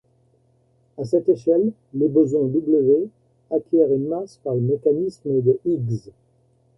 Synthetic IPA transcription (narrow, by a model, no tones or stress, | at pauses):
asɛt̪eʃɛlː | ebəzwɛ̃d̪ubləʒe | akʲjɛʁynmaspaʁləmekanisməd̪əiɡz